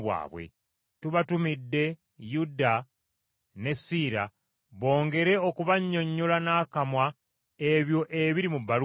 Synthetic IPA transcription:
βwa̰ːβwḛ | tuβatumidːe̞ | juda | ne̞siɾa̰ | βo̞ːŋɡe̞ɾe̞okuβaɲːo̞ɲːolanaːkamwa | e̞βjo̞ʔe̞βiɾimubːalu

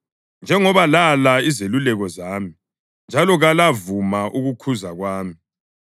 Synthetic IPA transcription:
nd͡ʒʱɛŋɔβalalaizelulɛɣɔzaːmi | nd͡ʒʱalɔɣalavumaʔuɣukʰuzaɣwaːmi

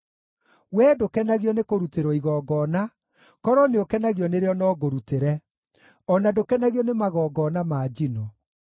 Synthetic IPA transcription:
wɛdokɛnaɣiɔnekoɾuteɾɔiɣɔːɡɔna | kɔɾɔneokɛnaɣjɔneɾeɔnɔːɡoɾuteɾɛ | ɔnadokɛnaɣiɔnemaɣɔːɡɔːnamaːd͡ʒinɔ

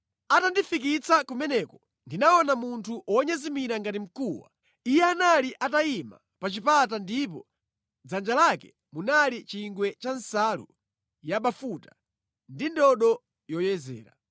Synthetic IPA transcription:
atandifik̬it͡sakumɛnɛkɔ | ndinaɔnamuntʰuʔɔɲazimiɾaŋɡatim̩kuːwa̰ | ijɛanaliʔataima̰ | pat͡ʃipat̬andipɔ | d͡zand͡ʒalakɛ̥ | munalit͡ʃiŋɡwɛt͡ʃansalṵ | jaɓafuta | ndindɔɗɔ | jɔjɛzɛ̰ːɾa̰

